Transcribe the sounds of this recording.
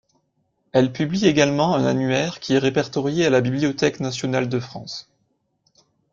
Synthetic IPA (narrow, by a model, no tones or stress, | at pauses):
ɛlpyblieɡalmɑ̃ɛ̃na̰nyɛʁkʲiɛʁepɛʁt̪ɔʁjealabibliɔt̪ɛknasjɔnald̪əfχɑ̰̃s